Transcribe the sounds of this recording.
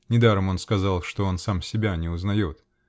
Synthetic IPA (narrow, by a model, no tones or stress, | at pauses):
nʲɪd̪aɾəmo̞nskɐzɑlˠʂt̪o̞o̞nsamsʲɪbʲanʲɪʊznɐjo̞t̪